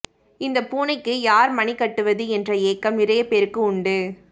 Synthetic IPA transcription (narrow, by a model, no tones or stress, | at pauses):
ɪnd̪ɐpuːnɐɪkːɯjaːɾmɐnikɐʈːɯʋɐðɯɛndrɐeːkːɐmɪɾɐjɐpeːɾɯkːɯʊɳɖɯ